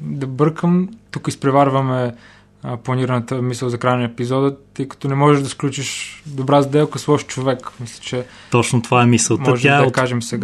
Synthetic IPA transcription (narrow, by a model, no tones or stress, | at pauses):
d̪ɐbəɾkəmt̪ukispɾɛvaɾvəmɛ | plˠɐniɾənət̪əmisəlˠzɐkɾajnəɛpizɔd̪ət̪əjkɐ̥t̪ɔnɛmɔʒɛʒd̪ɐsklʲut͡ʃiʃd̪obɾazd̪ɛlˠkəslˠɔʃt͡ʃovɛkmislʲɛ̥t͡ʃɛ | t̪ɔt͡ʃnot̪ovaɛmisəlˠmɔʒɛaɛd̪ɐk̪aʒɛmsɛɡa